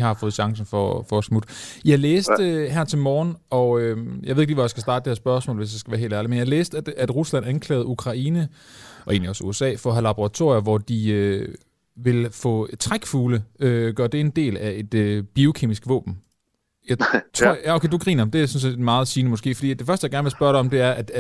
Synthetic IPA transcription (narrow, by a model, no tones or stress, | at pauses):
ihɑ̈fɔ̽ð̞̩ˠɕɑ̈ŋsn̩fɒfɒsmud̥jɑ̈ɪleːsd̥əɦæɐt͡sʰe̝lmɒːnɒ̽øjɑɪe̝ðeɡ̥liʋɒjɑ̈sɡ̥æsd̥ɑ̈ːd̥d̥e̥heɐ̰sb̥ɶɐsmɔ̰lʋe̝sd̥esɡ̥æʋæːɐɦe̝ːldæɐlimenjɑleːsd̥æd̥æd̥ʁuslæn̰ænkʰlɛ̰ːð̞̩ˠukʰʁɑ̈iːnəʔɒ̽e̝ːnliɒ̽sṵesɛ̰ːfɒɦælɑ̈b̥oʁɑ̈t͡sʰo̝ɐjɐʋɒd̥iø | ʋe̝lfɔ̰t͡sʰʁaɡ̥fuːləøɡ̥ɶɐd̥e̝e̝nd̥e̝̰ːlæe̝d̥øb̥io̝kʰe̝̰misɡ̥ʋɔ̰̽ːb̥n̩ | jɑ̈ɪt͡sʰʁo̰æokʰḛduɡ̥ʁḭːnɐd̥e̝æsɒ̽nse̝̰d̥mɑ̈ːð̞̩ˠsiːnəmɒ̽sɡ̥e̝̰ːfɒ̽dḭːd̥e̝fɶɐsd̥əjɑɡæɐnʋe̝sb̥ɶɐɾɑɪɒ̽md̥e̝æɐæd̥